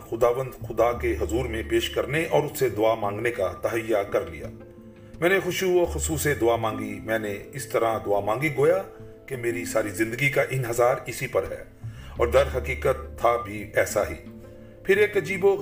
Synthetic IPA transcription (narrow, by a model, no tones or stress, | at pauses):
xʊd̪aːʋə̃nd̪xʊd̪akeɦɐzuːɾmẽpeːʃkɐɾneʔɔːɾʊsːed̪ʊaːmãːŋɡnekat̪ɐɦəjːakɐɾlḭja̰ː | mɛ̃ːnexʊʃuɔːxʊsuːsed̪ʊaːmãːŋɡimɛ̃ːneɪst̪ɐɾãd̪ʊaːmãːŋɡiɡoːja | kemeːɾisaːɾizɪ̃nd̪əɡikaʔɪ̃nɦəzaːɾɪsipɐɾɦɛ̰ː | ɔːɾd̪ɐɾɦɐkiːkət̪ʰːabʱiɛːsaɦḭː | pʰɪɾeːkɐd͡ʒiːbo